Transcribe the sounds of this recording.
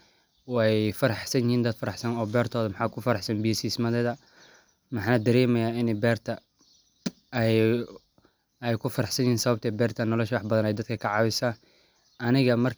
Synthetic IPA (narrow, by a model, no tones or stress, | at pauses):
wɑjfɐɾɑħsɐnjɪhiːnd̪ɐd̪fɐɾɑħsɐnɔːbɛːrt̪ʰɔːðɐmɑħaːkʰʊfɐɾɑħsɐnbiːsismɐðɛðɐ | mɑħaːnɐd̪ɐɾɛːmɛjaːɪnɛbɛːrt̪ʰɐ | ɛj | ɛjkʰʊfɐɾɐħsɐnɪhiːnsɐβɐb̚t̪ʰɛbɛːrt̪ʰɐnɔlɔʃwɑħbɐðɐnɛjd̪ɐd̪kʰɐkʰɐʕɑːwɪsa | ʔɐnɪɣɐmɐrk